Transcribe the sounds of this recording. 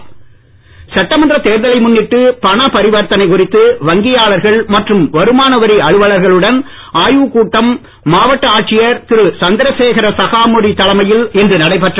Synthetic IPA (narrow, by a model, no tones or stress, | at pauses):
sɐʈːɐmɐnd̪ɪɾɐt̪eːɾðɐlɐɪmʊnːɪʈːɯpɐɳɐpɐɾɪʋɐɾt̪ɐnɐɪkʊrɪt̪ːɯʋɐŋɡɪjaːɭɐɾɣɐɭmɐʈrɯmʋɐɾɯmaːnɐʋɐɾiɐɻɯʋɐɭɐɾɣɐɭɯɽɐn | aːjuːkuːʈːɐmː | aːʋɐʈːɐaːʈ̚t͡ʃːɪjɐɾt̪ɪɾɯsɐnd̪ɪɾɐseːɣɐɾɐsɐɣaːmɔɽit̪ɐɭɐmɐjɪlɛndrɯnɐɽɐɪpɐʈrɐ